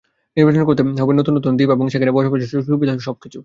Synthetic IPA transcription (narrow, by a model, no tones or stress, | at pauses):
iɾbeʃ̬onekoɾt̪eɔbeɾnot̪unːot̪und̪ibeboŋʃekʰaɾebɔʃakoʃeʃoʃubid̪ʱaʃɔb̚kit͡ɕʰu